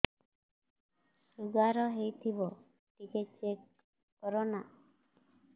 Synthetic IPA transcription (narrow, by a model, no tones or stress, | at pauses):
suɡaɾɔɦejt̪ʰibɔ | ʈiket͡ʃekː | ɔɾɔna